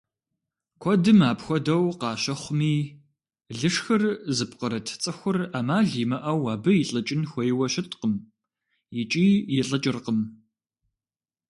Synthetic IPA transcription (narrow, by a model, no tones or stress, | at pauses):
kʷʰɔdɨmaːpxʷɔdɐwqɑːʃɐχʷʊmiː | ɮɨʂxɐrzɨpqəɾɐtʰt͡sʼɨxʷʊramaːɮiːmɐʔɐwaːbɨjɪɬʼɨt͡ʃʼɪnxʷɔjwɐɕɪtʼqəm | jɪt͡ʃʼiːjɪɬʼɐt͡ʃʼɪrqəm